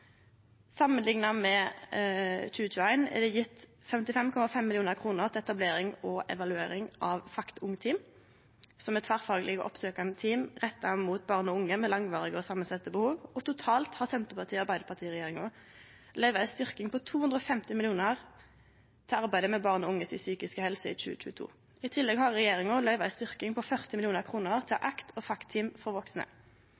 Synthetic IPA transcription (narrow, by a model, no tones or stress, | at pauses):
sɑmːənlɪŋnɑmɛ | c͡çʉːəçʉːæɪnɛ̰d̪ɛjɪt̪ː | fɛmt̪ɪfɛmkʰɔmɑfɛmːɪlɪuːnəʁkʰʁuːnəʁt̪ʰɪɛt̪ɑbleːɾɪŋɔʔɛ̰ʋɑlʉeːɾɪŋʔɑʋfɑkt̪ʊŋt̪ʰiːm | sɔmɛt̪ʰʋæʁfɑːɡəlɪɡəʔɔ̰psøːkɑnət̪ʰiːmʁɛt̪ːɑmuːt̪̚bɑːʁnɔʊŋːəmɛlɑŋʋɑːʁɪɡəɔsɑmːənsɛt̪ːəbəhuːʋɔt̪ʊt̪ʰɑːlt̪hɑsɛnt̪əʁpʰɑʁt̪ʰiːɑʁbæɪd̪əpʰɑʁt̪iːʁɛjeːʁɪŋʊ | lœʏʋɑæst̪ʏʁkɪŋpʰɔt̪ʰuːʉnd̪ɾɔfɛmt̪ɪmɪlɪuːnəʁ | t̪ʰɪlɑʁbæɪd̪əmɛbɑːʁnɔʊŋːəsɪ̰syːkɪskəhɛlsəḭːc͡çʉ̰ːc͡çʉ̰ːət̪ʰṵː | ɪt̪ʰɪlːɛɡhɑʁʁɛjeːʁɪŋʊlœʏʋɑæst̪ʏʁkɪŋpʰɔfœʁt̪ɪmɪlɪuːnəʁkʰʁuːnəʁt̪ʰɪʔɑkt̪ʰɔfɑkt̪ʰːiːmfɔʁʋɔksnə̰